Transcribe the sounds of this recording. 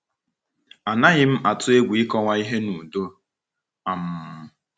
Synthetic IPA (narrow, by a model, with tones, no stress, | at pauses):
a˨na˦ɣɪ˦m̩˦ʔa˨tʊ˦e˦ɡʷi˦kɔ˦ŋʷa˦i˦ɦe˦nu˨do˦ | a˨m̩˦